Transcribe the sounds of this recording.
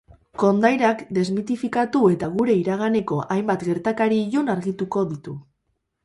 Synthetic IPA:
ko̞nd̪ajɾakd̪e̞zmit̪ifikat̪ue̞t̪aɣuɾe̞iɾaɣane̞ko̞ʔajmbat̪ɡe̞ɾt̪akaɾiːʎunaɾɣit̪uko̞ðit̪u

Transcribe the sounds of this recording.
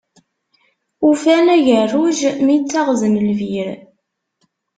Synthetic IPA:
ufænæʝərːuʒmit͡sːɑʁzənlviɾ

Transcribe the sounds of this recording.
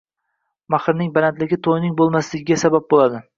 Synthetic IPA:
maχɾnɪŋbalant̪lɪɡʲɪt̪ʰojnɪŋbolˠmaslɪɡʲɪɡʲasabap̚bolˠad̪ɪ

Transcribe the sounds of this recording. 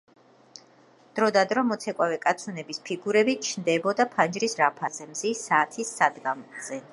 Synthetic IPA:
d̪̥ɾɔd̪ad̪ɾɔmɔt̪sʰɛkʼwavɛkʼat̪sʰunɛbispʰiɡuɾɛbit͡ʃʰnd̪ɛbɔd̪apʰand͡ʒɾisɾapʰazɛmzisaːt̪ʰisːad̪ɡamz̥ɛ

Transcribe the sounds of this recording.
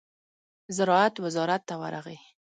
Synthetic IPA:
zɪɾɑat̪wɪzɑɾat̪ːawa̰ɾa̰ɣḛ

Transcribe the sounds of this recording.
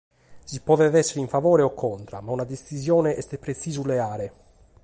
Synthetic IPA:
sipɔːðɛvɛsːeɾiɱfavɔːɾeɔkʰːɔnt̪ɾa̰maunad̪est̪izjɔːneʔɛst̪epɾet̪siːzuleaːɾe

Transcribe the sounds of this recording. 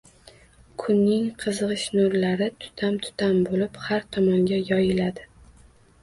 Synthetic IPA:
kʰʊnːɪŋqʰɨzɨʁɨʃnoɾlaɾɪt̪ʰʊ̥t̪ʰamt̪ʰʊ̥t̪ʰambolɪphaɾt̪ʰɒmɒŋɡʲajɒjɪlad̪ɪ

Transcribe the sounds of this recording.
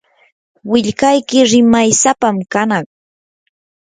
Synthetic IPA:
wɪʎkajkɪɾɪmajsapamkanɑχ

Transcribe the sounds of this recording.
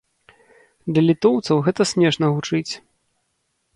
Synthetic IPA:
d̪lʲɐlʲit̪ɔwt̪sɐwɣɛt̪ɐsʲmʲɛʂnɐɣut͡ʂɨt͡sʲ

